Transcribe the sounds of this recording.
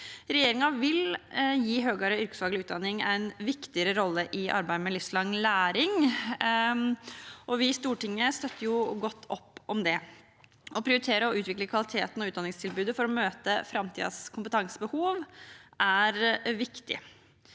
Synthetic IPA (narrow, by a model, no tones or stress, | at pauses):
ɾɛjeːɾɪŋɑʋɪljiːɦøːɡəɾəʏɾkə̥sfɑːɡəlɪʉːt̪̚d̪ɑnːɪŋæɪnʋɪkt̪ɪəɾəɾɔlːəʔɪʔɑ̰ɾbæɪmɛlɪfslɑŋːlæːɾɪŋ | ʔɔʋɪst̪uːʈɪŋːəst̪œt̪ʰːəɾjʊɡɔt̪ʰːɔpːɔmd̪ɛ | ɔpʰɾɪʊɾɪt̪ʰeːɾəɔʉːt̪ʋɪkləkʰʋɑlɪt̪ʰḛːt̪nɔʉːt̪d̪ɑnɪŋst̪ʰɪlbʉːd̪əfɔɾɔmøːt̪əfɾɑmt̪ʰḭːd̪ə̰skʰʊmpət̪ʰɑŋsəbəhuːʋʔæɾʋɪkt̪ɪ̰